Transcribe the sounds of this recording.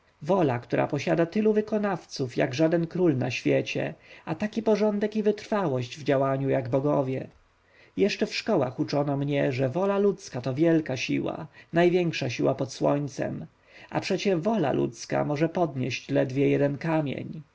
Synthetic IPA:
vɔlakt̪uɾʔa̰pɔɕad̪at̪ɘluvɘkɔnaft̪sufja̰ɡʐad̪ɛnkɾulna̰ɕfʲjɛt͡ɕɛ̰at̪akʲipɔʐɔnd̪ɛkivɘt̪ɾfawɔɕd͡ʑvd͡ʑawaɲujaɡbɔɡɔvʲjɛ | jɛʂt͡ʂɛfʂkɔwa̰xut͡ʂɔnɔmɲɛʐɛvɔlalut̪skat̪ɔvʲjɛlkaɕḭwa̰najvʲjɛŋkʂaɕiwapɔt̪swɔɲt̪sɛ̰m | a̰pʂɛt͡ɕɛvɔla̰lṵt̪ska̰mɔʐɛpɔd̪ɲɛɕt͡ɕlɛd̪vʲjɛjɛd̪ɛnkamʲjɛ̰ɲ

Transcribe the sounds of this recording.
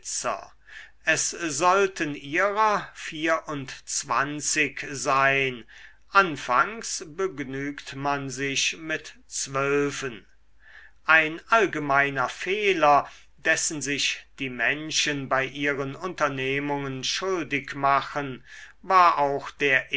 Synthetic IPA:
t͡sɐ̰ | ʔɛszɔltəniːʁɐfiːɐʔʊntt͡sv̥a̰nt͡sɪkzaɪn | ʔanfaŋsbəɡnyːktmanzɪçmɪtt͡sv̥œlvən | ʔaɪnʔalɡəmaɪnɐfeːlɐ | dɛsn̩zɪʃd̥iːmɛnʃənbaɪʔiːʁənʊntɐneːmʊŋənʃʊldɪkmaχənvaːɐʔaʊxd̥eːɐʔ

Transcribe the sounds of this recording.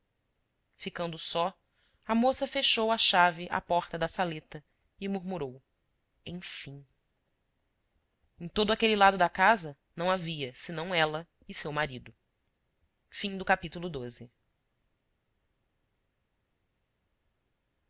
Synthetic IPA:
fikɐ̃nd̪ʊsɔ | ɐmosɐfeʃowɐʃavɪʔa̰pɔɾt̪ɐd̪ɐsalet̪ɐ | ɪmuɾmuɾow | ẽj̃fĩ | ẽj̃t̪od̪ʊakelilad̪ʊd̪ɐkazɐnɐ̃w̃aviɐsɪnɐ̃w̃ɛlɐ | ɪsewmaɾid̪ʊ | fĩd̪ʊkapit̪ulʊd̪ozɪ

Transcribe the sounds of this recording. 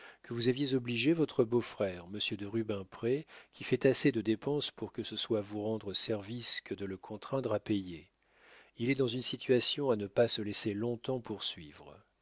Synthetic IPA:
kʰəvuzavjezɔbliʒevɔt̪χəbofχɛʁməsjəd̪əʁybɛ̃pχekʲʰifɛt̪ased̪əd̪epɑ̃spuʁkəsəswavuʁɑ̃d̪ʁəsɛʁviskəd̪ələkʰɔ̃t̪χɛ̃d̪ʁapeje | ilɛd̪ɑ̃zynsit̪ɥasjɔ̃anəpasəlɛselɔ̃t̪ɑ̃puʁsɥivʁ

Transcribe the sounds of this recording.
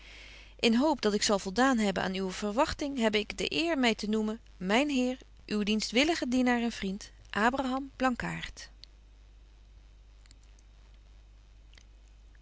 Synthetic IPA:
ʔɪnɦowpdɑtɪksɑlˠvɔlˠdaːnɦɛbəna̰ːnywəv̥ərʋɑχtɪŋɦɛbɪɡdə̰ʔɪːɹmɛjtənumən | mɛjnɦɪːɹ | ʔywdinstʋɪləχədinaːɹɛnv̥rint | ʔaːbraɦɑmb̥lɑŋka̰ːɹt

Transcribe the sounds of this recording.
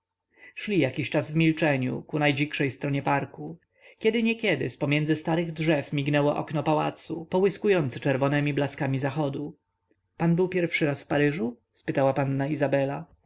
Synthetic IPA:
ʂlʲijakʲiɕt͡ʂazvmʲilt͡ʂɛɲṵkunajd͡ʑikʂɛjst̪ɾɔɲɛpaɾku | kʲɛd̪ɘɲɛkʲɛd̪ɘ̰spɔmʲjɛndzɘst̪aɾɘɣdʐɛfmʲiɡnɛwɔʔɔ̰knɔpawa̰t̪supɔwɘskujɔnt̪sɘt͡ʂɛɾvɔnɛmʲiblaskamʲizaxɔd̪u | panbɘwpʲjɛɾfʂɘɾasfpaɾɘʐu | spɘt̪awapanːaizabɛla

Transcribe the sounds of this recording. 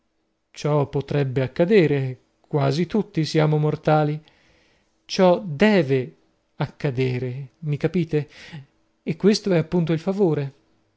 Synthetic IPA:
t͡ʃɔpːot̪ɾɛbːeakːad̪eːɾe | kwaːzit̪ut̪ːisjaːmomort̪aːli | t͡ʃɔd̪ɛːve | akːad̪eːɾemikapiːt̪eː | kːwest̪oɛapːunt̪̬oilfavoːɾe

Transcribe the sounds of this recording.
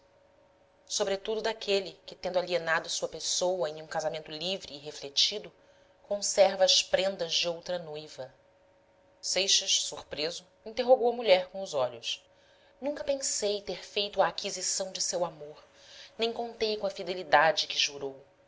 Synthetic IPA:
sobɾet̪ud̪ʊd̪akelɪkɪt̪ẽnd̪alienad̪ʊsuɐpesowɐẽj̃ũkazamẽnt̪ʊlivɾiːɦeflet͡ʃid̪ʊ | kõsɛɾvɐːspɾẽnd̪ɐzd͡ʒɪowt̪ɾɐnojvɐ | sejʃɐʃsuɾpɾezʊ | ĩnt̪eɦoɡowɐmuʎɛɾkõʊzɔʎʊs | nũŋkɐpẽsejt̪eɾfejt̪ʊɐːkizisɐ̃w̃d͡ʒɪsewamoɾ | nẽj̃kõnt̪ejkõɐfid̪elid̪ad͡ʒɪkɪʒuɾow

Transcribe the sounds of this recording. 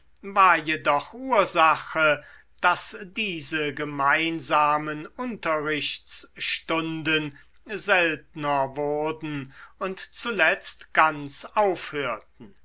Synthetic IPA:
vaːɐjedɔχuːɐzaχə | d̥asd̥iːzəɡəmaɪnzaːmənʊntɐʁɪɕt͡sʃtʊndən | zɛltnɐvʊʁdn̩ʊntt͡sulɛt͡stɡ̥ant͡saʊfhøːɐt̚n̩

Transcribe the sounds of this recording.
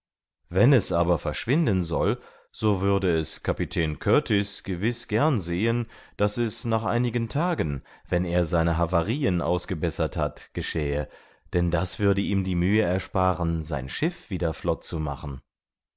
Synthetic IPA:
vɛnɛsʔaːbɐfɛɐʃv̥ɪndənzɔl | z̥oːvʏɐdəɛskʰapitʰɛːnkʰœɐtʰɪsɡ̥əvɪsɡ̥ɛɐnzeːənd̥asɛsnaːχʔa̰ɪnɪɡəntʰaːɡən | vɛneːɐzaɪnəɦavaʁiːənʔa̰ʊsɡ̥əbɛsɐthatɡ̥əʃɛːə | d̥ɛndasv̥ʏɐdəiːmdiːmyːəɛɐʃpaːʁənza̰ɪnʃɪfv̥iːdɐflɔtt͡suma̰χn̩

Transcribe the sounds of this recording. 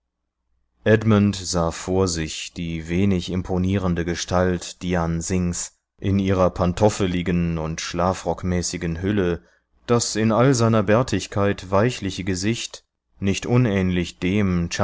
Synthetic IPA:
ʔɛdmʊntz̥aːfoːɐzɪçd̥iːveːnɪçɪmpʰoniːʁəndəɡəʃtaltd̥ianzɪŋs | ʔɪniːʁɐpʰantʰɔfəlɪɡənʊntʃlaːfʁɔkmɛːsɪɡənɦʏlə | d̥asɪnʔalzaɪnɐbɛɐtʰɪçkʰaɪtvaɪçlɪçəɡəzɪçt | nɪçtʔʊnɛːnlɪçd̥eːmt͡ʃ

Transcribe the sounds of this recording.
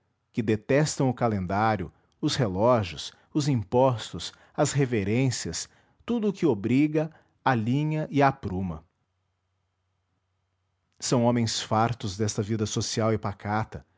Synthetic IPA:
kɪd̪et̪ɛst̪ɐ̃w̃ʊkalẽnd̪aɾjʊ̰ | ʊshelɔʒjʊs | ʊzĩpɔst̪ʊs | ɐsheveɾẽsiɐs | t̪ud̪ʊːkɪobɾiɡɐ | alĩɲɐʔɪapɾũmɐ̰ | sɐ̃w̃õmẽj̃sfaɾt̪ʊzd̪ɛst̪ɐvid̪ɐsosiawɪpakat̪ɐ

